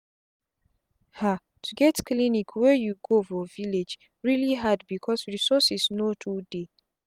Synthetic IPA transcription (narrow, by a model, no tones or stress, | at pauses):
ha | tʰuɡɛtklinikʰwɛjuɡofɔviled͡ʒ | ɹiliɦadbikʰɔsɹisɔsisnotʰude